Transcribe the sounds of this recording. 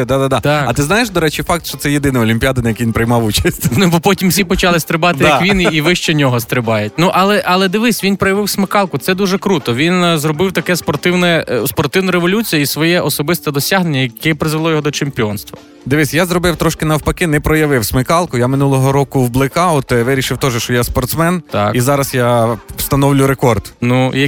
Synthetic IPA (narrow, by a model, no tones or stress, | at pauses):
d̪ad̪ad̪at̪ɐt̪ɪznajeʃd̪ɔɾɛt͡ʃifɑk̚t̪ʃt͡ʃɔt̪sɛjed̪ɪnɪɔlʲimʲpʲijad̪ɐnɐjɐkʋʲinpɾɪjmɑʋut͡ʃɐsʲtʲnubɔpɔtʲimfsʲipɔt͡ʃɑlˠɪst̪ɾɪbɑt̪ɪjɐkʋʲiniʋɪʃt͡ʃɛnʲɔɦɔst̪ɾɪbɑjɪtʲnuʔɐlˠɛʔɐlˠɛd̪ɪʋɪsʲʋʲinpɾɔjɐʋɪwsmɪkɑlˠkʊt̪sɛd̪uʒɛkɾut̪ɔʋʲinzrɔbɪwt̪ɐkɛspɔrt̪ɪwnɛspɔrt̪ɪwnɐɾeʋɔlʲut͡sʲijɐisʋɔjɛʔɔsɔbɪst̪ɛd̪ɔsʲaɦnenʲːɐjɐkɛpɾɪzʋelˠɔjɔɦɔd̪ɔt͡ʃempʲiɔnst̪ʋɐ | d̪ɪʋɪsʲjazɾɔbɪwt̪ɾɔʃkɪnɐwpɐkɪnɛpɾɔjɐʋɪwsmɪkɑlˠkʊjamɪnulˠɔɦɔɾɔkʊwblˠɪkɑɔt̪ʋɪɾʲiʃɪwt̪ɔʒɛʃt͡ʃɔjaspɔrt̪smɛnt̪ɑkizɑɾɐsjast̪ɐnɔwlʲʊɾekɔrd̪nujɐ